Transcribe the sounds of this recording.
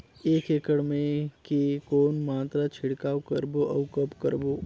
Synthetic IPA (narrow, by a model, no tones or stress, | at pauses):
eːkeːkəɽmẽkekoːnmaːt̪ɾat͡ʃʰɪɽkaːwkəɾboʔɐʊkəpkəɾboː